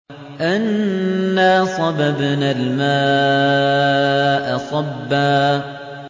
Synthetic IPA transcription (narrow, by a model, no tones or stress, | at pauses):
ʔanː | aːsˤɑbabanalmaː | ʔɑsˤɑbːaː